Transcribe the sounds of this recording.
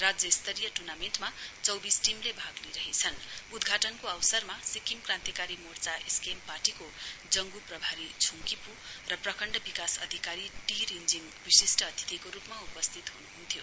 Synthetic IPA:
rad͡zjʌist̪ʰʌɾijʌʈurnamenʈmat͡sʌwbisʈimlebʱaɡliɾʌɦet͡sʰʌnud̪ɡʱaʈʌnkoawsʌrmasikimkrãnt̪ikaɾimort͡saʔeskempaʈikod͡zʌŋɡuprʌbʱaɾit͡sʰuŋkipurʌprʌkʌɳɖʌbikasʌ̰d̪ʱikaɾiʈiɾind͡ziŋ | bisisʈʌːt̪ʰi̥t̪ikoɾupmaupʌst̪ʰit̪ɦunuɦunt̪ʰjo

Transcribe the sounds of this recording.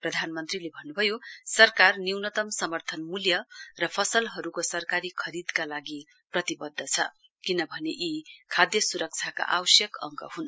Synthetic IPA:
prʌd̪ʱanmʌnt̪rilebʱʌnːubʱʌjosʌrkarniwnʌt̪ʌmsʌmʌrt̪ʰʌnmuljʌrʌpʰʌsʌlɦʌɾukosʌrkaɾikʰʌɾid̪kalaɡi | prʌt̪ibʌd̪ʱːʌt͡sʰʌ̰ | kinʌbʱʌneʔikʰad̪jʌsuɾʌk̚t͡sʰaka̰ʔawʌsjʌkʌ̰ŋɡʌ̰ɦun

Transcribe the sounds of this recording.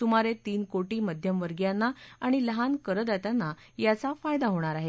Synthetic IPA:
t̪um̤aɾet̪iːnkoʈiːməd̪ʱjəmʋəɾɡjanːaaɽ̃iləɦankəɾət̪at̪janːa | jat͡safajd̪aɦoɽ̃aɾaɦe

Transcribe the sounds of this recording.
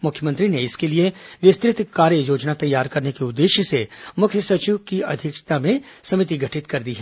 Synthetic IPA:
mʊkʰjəmə̃nt̪ɾineɪskelieʋɪst̪ɾɪt̪kːaːɾjəjoːd͡ʒnat̪ɐjːaːɾkɐɾnekeʊd̪ːeːʃəsemʊkʰjəsɐt͡ʃiʋkiɐ̰d̪ʱɪkʃt̪amẽsɐmɪt̪̬iɡʱɐʈʰɪt̪kɐɾd̪iɦɛː

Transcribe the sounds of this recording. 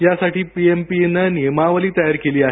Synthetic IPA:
jasaʈʰiːpiempinənimaʋəliːt̪əjaɾkeliːaɦ

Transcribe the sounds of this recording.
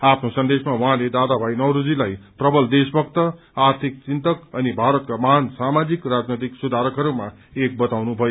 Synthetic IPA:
apʰnosʌnd̪esmawʌɦãled̪ad̪abʱajnʌwɾud͡zilajprʌbʌld̪esbʌkt̪ʌ | art̪ʰik̚t͡sint̪ʌkʌnibʱaɾʌt̪̚kamaɦnsamad͡zikrad͡znʌt̪iksud̪ʱaɾʌkɦʌɾuma | ek̚bʌt̪awnubʱʌjo

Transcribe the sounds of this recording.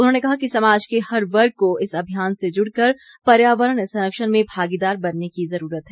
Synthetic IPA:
ʊnɦõːnekɐɦakisɐmaːd͡ʒkehɐɾʋɐɾɡ̚koɪsɐbʱijaːnsed͡ʒʊɽkɐɾ | pɐɾjaːʋəɾəɽsɐ̃nəkʃəɾmẽbʱaːɡid̪aːɾbɐnːekizɐɾuːɾət̪ɦɛː

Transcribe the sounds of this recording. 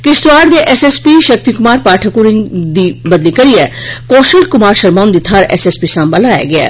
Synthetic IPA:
kest̪uaːɾd̪eʔesespiʃɐk̚t̪ikʊmaːɾpaːʈʰɐkuɾiŋɡd̪ibɐd̪likɐɾijekoːʃəlkʊmaːɾʃɐɾmaːnd̪it̪ʰaːɾḛsespisãːmbalaːja̰ɡɐa̰

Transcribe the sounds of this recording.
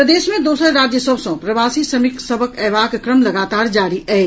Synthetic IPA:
pɾəd̪esmẽd̪osəɾɾad͡ʒjəsəbsə̃pɾəbasisəmiksəbʱəkəbakkːɾəmləɡat̪aɾd͡ʒaɾiəj

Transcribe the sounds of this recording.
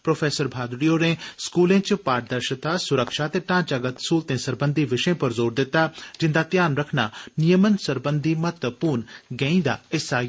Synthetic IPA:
pɾoːpʰeːsəɾbʱaːd̪ɽijoːɾẽːskuːlẽːt͡ʃpaːʈ̚d̪əɾʃət̪aːsʊɾəkʃaːt̪eːʈãːt͡ʃəɡət̪suːlt̪ẽːsəɾbənd̪iːʋɪʃẽːpəɾzoːɾd̪ɪt̪ːaːd͡ʒɪ̃nd̪aːt̪jaːnɾəkʰnaːnijəmənsəɾbənd̪ʱiːmət̪əpuːɾnɡɛ̃ːĩːd̪a̰ːɪsaː

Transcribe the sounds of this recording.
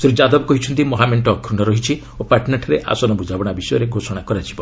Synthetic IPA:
sɾid͡ʒad̪ɔbɔkɔɦit͡ʃʰɔnt̪imɔɦameɳʈɔːkʰɾunɔɾɔɦit͡ʃʰi | opaʈnaʈʰɔɾeʔa̰sɔnɔbud͡ʒabɔɽ̃abisɔjɔɾeɡʱosɔɽ̃akɔɾat͡ʃʰi̥bɔ

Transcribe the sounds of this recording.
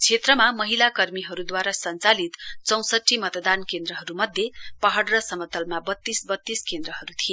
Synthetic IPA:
t͡sʰet̪rʌmamʌɦilakʌrmiɦʌɾud̪waɾasʌnt͡salit̪t͡sʌw̃sʌʈʰːimʌt̪d̪ankend̪rʌɦʌɾumʌd̪ʱjepʌɦʌɽrʌsʌmʌt̪ʌlmabʌt̪ːisbʌt̪ːiskend̪rʌɦʌɾut̪ʰie

